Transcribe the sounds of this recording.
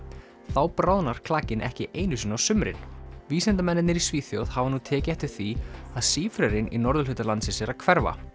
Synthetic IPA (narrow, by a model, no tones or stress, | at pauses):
θawpɾaːwðnaɾ̥kʰlaːcɪnʔɛ̰hcɪʔeːjnʏs̬ʏnawsʏmɾɪ̰nviːsɛnt̪amɛnːɪnːɪɾisviːθjowðhavanuːt̪ʰɛːcɪɛht̪ɪɾ̥θiaðsiːfɾɛɾɪnḭnɔɾðʏlʏt̪alant̪sɪnsɛɾakʰvɛɾva̰